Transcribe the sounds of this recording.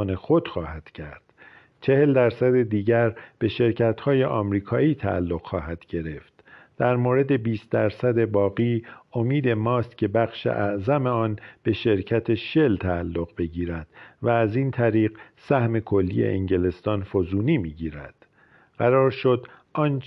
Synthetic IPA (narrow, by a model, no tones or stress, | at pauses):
ne̞xod̪̥xɒːhæd̪̥cʰæɾd̪̥ | t͡ʃʰe̞he̞ld̪æɾsæd̪e̞d̪iːɟæɾb̥e̞ʃe̞ɾcʰæt̪hɒːje̞ʔɒːmɾiːkʰɒːiːt̪ʰæ̰ʔæ̰lːo̞ɣ̥xɒːɦæd̪̥ɟ̥e̞ɾe̞ft̪ | d̪̥æɾmoːɾe̞d̪e̞biːst̪̚d̪æɾsæd̪e̞bɒːɣiːo̞miːd̪e̞mɒːst̪cʰe̞bæxʃḛʔæʔzæme̞ɒːnb̥e̞ʃe̞ɾcʰæt̪ʰe̞ʃe̞lt̪ʰæːlːo̞ɣbe̞ɟiːɾæd̪̥væːziːnt̪ʰæɾiːɢsæhme̞kʰo̞lːḭjḛʔeŋɟe̞le̞st̪ɒːnfozuːniːmiːɟiːɾæ̰d̪̥ | ɢ̥æɾɒːɾʃo̞d̪ʔɒːn